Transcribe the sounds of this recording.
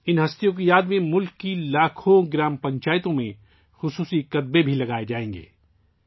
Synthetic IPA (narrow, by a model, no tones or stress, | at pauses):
ɪnɦɐst̪ijõk̬ijaːd̪mẽmʊlkːilaːkʰõɡɪɾaːmpɐ̃ɲt͡ʃaːjt̪õmḛ̃ | xʊsuːsikɐt̪̚bebʱilɐɡaːed͡ʒaːẽːŋɡḛː